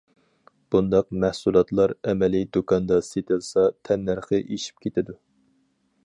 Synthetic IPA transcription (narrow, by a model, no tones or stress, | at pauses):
b̥und̪ɑq̚mɛhsulˠɑt̪lˠɑɾɛmɛlid̪okʰɑnd̪ɑset̪ɪlsɑt̪ʰɛnːæɾχəʔeʃi̥p̚kʲʰet̪ɪd̪u